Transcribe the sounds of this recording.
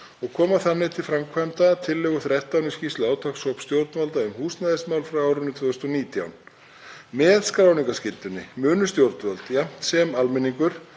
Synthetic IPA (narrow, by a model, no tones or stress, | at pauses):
ɔɣkʰɔːmaθanːɪt̪ʰɪlfɾamkʰvajmt̪at̪ʰɪlːɛɣʏθɾɛht̪awnʏscist̪laːwt̪ʰaxsɔpst̪jowɾt̪nvalt̪aʏmhuːst̪naðɪsmawlfɾawaːwɾʏnːʏt̪ʰvœːʏst̪ɔniːt̪ja̰wn | mɛðskɾawniŋkascɪlt̪ʏnːɪ̰mʏːnʏst̪jowɾt̪nvalt̪jɛm̥t̪sɛmalmɪniŋkʏɾ̥